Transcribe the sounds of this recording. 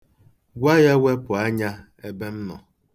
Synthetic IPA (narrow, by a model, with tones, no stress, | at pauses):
ɡʷa˦ja˦wʷe˦pʊ˨a˦ɲa˦ | e˦be˦m̩˦nɔ̰˨